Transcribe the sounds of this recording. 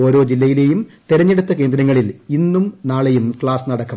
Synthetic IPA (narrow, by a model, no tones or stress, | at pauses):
o̞ːɾo̞ːd͡ʑilːɐjile̞ːjumt̪eɾɐɲːeɽut̪ːɐke̞ːnd̪ɾɐŋːɐɭilinːumnaːɭe̞jumkɭaːsnɐɽɐkːɐ